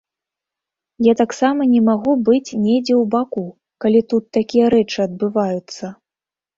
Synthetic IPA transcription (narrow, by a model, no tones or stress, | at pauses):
jat̪aksamɐnʲɛmaɣubɨt͡sʲnʲed͡zʲɛwbaku | kalʲit̪ut̪ːakʲijɐɾɛt͡ʂɨɐd̪̚bɨvajut̪sːɐ